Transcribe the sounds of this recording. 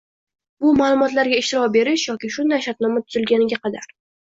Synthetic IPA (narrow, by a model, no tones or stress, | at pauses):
bʊmaːlˠʊmɒt̪laɾɡʲaɪʃt̪ɪɾɒkbe̞ɾɪʃjɒkʲɪʃʊnd̪ajʃat̪nɒmat̪ʰʊzɪlɡʲanɪɡʲaqʰɑd̪aɾ